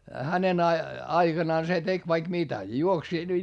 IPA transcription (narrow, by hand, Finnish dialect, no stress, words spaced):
hænen ɑ ɑiɡ̊ɑnɑːn se tek ʋɑik mitæ juoks